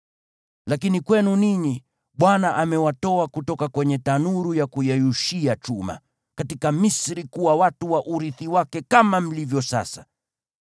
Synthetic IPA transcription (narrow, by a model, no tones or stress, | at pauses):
lakinikwɛnuniɲi | ɓwanaʔamɛwatɔakutɔkakwɛɲɛtanuɾujakujajuʃiat͡ʃuma̰ | katikamisɾikuwawatuwaʔuɾiθiwakɛkamam̩livjɔsa̰sa